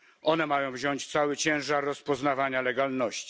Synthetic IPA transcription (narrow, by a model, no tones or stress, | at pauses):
ɔnɛmajɔ̃w̃vʑɔɲt͡ɕt̪sawɘt͡ɕɛ̃w̃ʐaɾːɔspɔznavaɲalɛɡalnɔɕt͡ɕi̥